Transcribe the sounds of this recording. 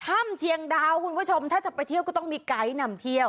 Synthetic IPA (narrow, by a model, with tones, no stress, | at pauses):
t̪ʰa˥˩mt͡ɕʰi˧əŋdaː˧wkʰu˧npʰt͡ɕʰo˧mt̪ʰaː˥˩t͡ɕa˨˩pːa˧jt̪ʰi˥˩wkɔː˥˩t̪ɔ˥˩ŋmiː˧ka˦˥jna˧mt̪ʰi˥˩əw